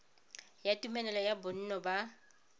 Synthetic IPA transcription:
jatʼumɛlɛlɔjabʊn̩nɔba

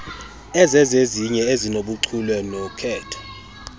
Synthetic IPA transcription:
ɛzɛzeziɲɛezinoɓuǀʰulwɛnɔkʰɛːtʰɔ̥

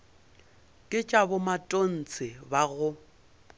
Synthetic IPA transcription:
kʼɪt͡ʃʼabʊmatʼon̩t͡sʼɪbaɣʊ

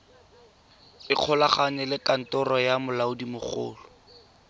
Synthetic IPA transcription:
ɪq͡χʰɔlaχanɛlɪkan̩tɔrɔjamʊlaʊdimʊχʊ̰ːlʊ

